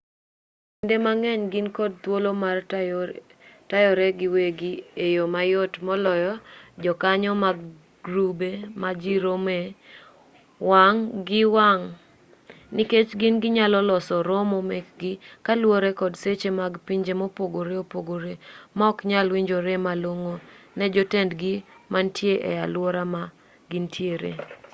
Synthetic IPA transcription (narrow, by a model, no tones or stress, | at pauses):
indemaŋɛɲɡɪnkɔd̚t̪wolomar | tajɔɾɛɡɪweɡiejomajotmɔlɔjɔd͡ʒɔkaɲɔmaɡ | ɡɾubemad͡ʒiɾome | waŋɡɪwaŋ | niket͡ʃɡɪnɡɪɲalɔlɔsɔɾomomek̚ɡɪkalwoɾekɔdset͡ʃemaɡpiɲd͡ʒemopoɡoɾeopoɡoɾemɔkɲalwiɲd͡ʒoɾemaloŋonɛd͡ʒotɛndɡimantjeʔɛ̰jalwoɾama | ɡɪntʰjeɾḛ